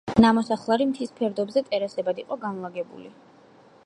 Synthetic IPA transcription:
namɔsaχlˠaɾimt̪ʰispʰɛɾd̪ɔbzɛt̪ʼɛɾasɛbad̪iqʼɔɡanlˠaɡɛbṵlḭ

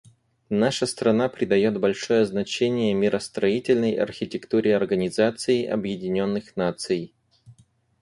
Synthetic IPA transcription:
naʂəst̪ɾɐnapɾʲɪd̪ɐjo̞t̪bɐlʲʂo̞jəznɐt͡ɕenʲɪjəmʲɪɾʔəst̪ɾɐitʲɪlʲnəjɐ̰rxʲɪtʲɪkt̪uɾʲɪɐrɡənʲɪzat̪sɨɪʔɐ̰bjɪdʲɪnʲo̞nːɨxnat̪sɨj

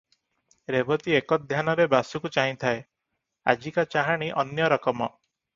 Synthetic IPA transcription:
ɾebɔt̪iekɔd̪ʱjanɔɾebasukut͡ʃaɦĩt̪ʰae | a̰d͡ʒikat͡ʃaɦaɽ̃iʔɔnjɔɾɔkɔmɔ̰

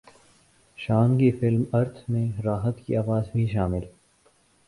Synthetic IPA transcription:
ʃaːnkifɪlmɐɾt̪ʰmẽɾaːɦət̪kḭaːʋaːzbʱiʃ̬aːmɪl

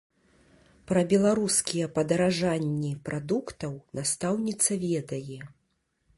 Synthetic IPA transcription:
pɾɐbʲɛlˠaɾuskʲijɛpɐd̪ɐɾaʐanʲːipɾʔad̪ukt̪ɐwnast̪awnʲit̪sɐvʲɛd̪ɐjɛ

